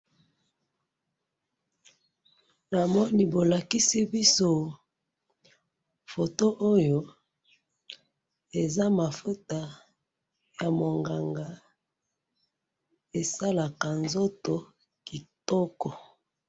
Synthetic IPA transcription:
na˨mɔ˦ni˦bo˨la˨ki˦si˦bi˦so˦ | fo˨to˦ʔo˦jo˨˦ | e˨za˦ma˨fu˦ta˨ | ja˨mo˨ŋɡa˨ŋɡa˨ | e˨sa˦la˨ka˨nzo˦to˨ | ki˨tɔ˦kɔ˨

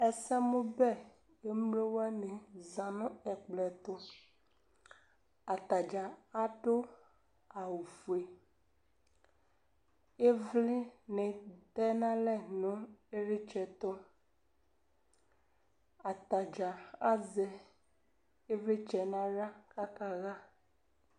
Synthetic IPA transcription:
ɛ˨sɛ˦mũ˦bɛ˦ | e˦mle˦wɛ˦nɛ̃˨zã˨nɔ̃˦ɛ˨k͡plɛ˨t̪ɔ˦ | a˨t̪a˨d͡ʒa˨a˦ɖo˦ | a˨wu˨fu˨e˨ | e˦vli˦nẽ˨d̪ɛ˦nã˦lɛ˦nɔ̃˦e˦ɾi˦t͡ʃɛ˨t̪ɔ˦ | a˨t̪a˨d͡ʒa˨a˦zɛ˨ | e˦ve˦t͡ʃɛ˨nã˦ɖa˦ka˦ka˦ɣa˦

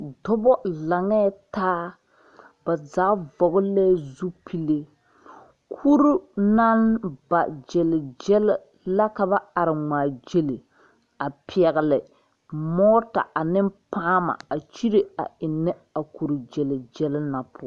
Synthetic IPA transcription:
dɔ˦bɔ˦la˨ŋɛ˦taː˦ | ba˨zaː˨˦vɔ˨ɣʊ˦lɛː˦zu˦pʰi˦le˦ | kʰu˦ɾu˦na˦nba˨d͡ʒɛ˨lɪ˨d͡ʒɛ˦lɪ˦ | la˦ka˦ba˦a˨ɾɪ˨ŋaː˨d͡ʒe˦le˨ | a˨pi˨ɛ˨ɣɪ˨lɪ˨ | mɔː˦ta̰˨ʔa˨nɪ˦mpaː˦ma̰˨a˨t͡ʃi˦ɾe˨a̰˨ɪ˨nːɛ˦ | a˨ku˨ɾu˨d͡ʒɛ˨lɪ˨d͡ʒɛ˦lɪ˦na˨pʰʊ˦

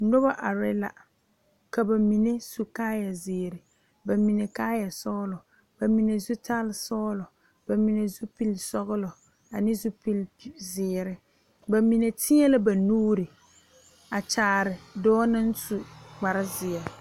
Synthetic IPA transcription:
nʊ˦ba˦ʔa˨ɾɪ˦la̰˨ | ka˨ba˨mi˨ne˦su˨kaː˦ja˨zɪː˨ɾɪ˨ | ba˨mi˨ne˨kaː˦ja˨sɔː˦lɔ˨ | b̥a˨mi˨ne˨zu˦tʰa˦lɪ˨sɔː˦lɔ˨ | ba˨mi˨ne˨zu˦pi˦lsɔ˦ɣʊ˦lɔ˨ | a˨nɪ˦zu˦pi˦lzɪ˨ɾɪ˨ | ba˨mi˨ne˨tʰɪ˦ɛ˦la˦ba˨nuː˦ɾi˨ | a˨t͡ʃaː˨˦˨ɾɪ˨dɔː˦na˦n̩˦su˨ɡ͡ba˨ɾa˦zɪ˨ɛ˨

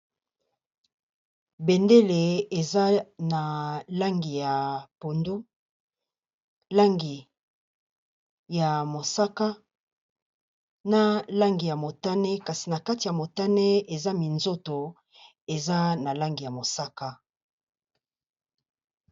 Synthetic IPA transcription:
be˨nde˦le˨e˨za˦na˨la˦ŋɡi˨ja˨po˨ndo˦ | la˦ŋɡi˨ | ja˨mo˨sa˦ka˦ | na˦la˦ŋɡi˨ja˨mo˨ta˦ne˦ka˨si˨na˨ka˦ti˨ja˨mo˨ta˦ne˦e˨za˦mi˨nzo˦to˨ | e˨za˦na˨la˦ŋɡi˨ja˨mo˨sa˦ka˦

